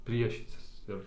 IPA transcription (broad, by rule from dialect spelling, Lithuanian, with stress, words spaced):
ˈpʲrʲiɛʃʲiːt͡sʲɪs ˈɪr